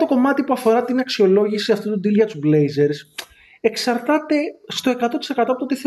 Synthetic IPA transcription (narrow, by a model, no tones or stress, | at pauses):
t̪o̞ko̞mɐt̪ipuɐfo̞ɾɐt̪inɐksio̞lo̞ʝisiɐft̪ut̪ud̪ilʝɐt̪uzblejze̞ɾs | e̞ksɐɾt̪ɐt̪e̞st̪o̞e̞kɐt̪o̞t̪i̥se̞kɐt̪oɐpot̪ot̪iθe